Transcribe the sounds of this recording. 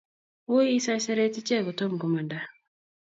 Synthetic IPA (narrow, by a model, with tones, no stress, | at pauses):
wo˦i˦sa˦sɛ˦ɾe˦ti˦t͡ʃɛ˦˨ɡɔ˨to˦m˨ɡo˨ma˨nda˨